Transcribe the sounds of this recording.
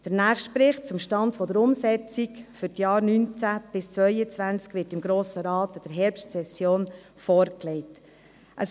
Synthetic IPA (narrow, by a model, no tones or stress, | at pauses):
d̥əɾnæːχʃtpɾɪχt̚t͡sʊmʃtɑndfɔdəɾʊmsɛt͡sikfʏɾtjɑːɾnynt͡sæb̥ɪst͡sʋœʏət͡sʋænt͡skvʋɪːtɪmɡɾoːsəɾɑːtɑd̥əɾɦɛɾpʃtsɛsjoːn | fɔːɾklɛɪt | ʔəs